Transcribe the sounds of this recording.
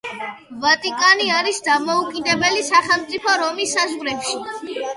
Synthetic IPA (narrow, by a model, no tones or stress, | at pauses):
vat̪ʼikʼaniaɾisd̪amɔukʼid̪ɛbɛlisaχɛlˠmt̪sʼipʰɔɾɔmisːazʁɾɛpʃi